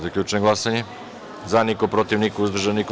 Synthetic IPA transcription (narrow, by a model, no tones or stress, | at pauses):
zakʎʲut͡ʃeɡlˠasaɲe | zanikopɾot̪iʋnikouzd̪r̩ʒanik